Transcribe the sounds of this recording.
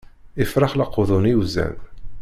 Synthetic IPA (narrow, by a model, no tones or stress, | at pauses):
ɪfɾɑχlɑqːʊðˤʊniuzæ̰n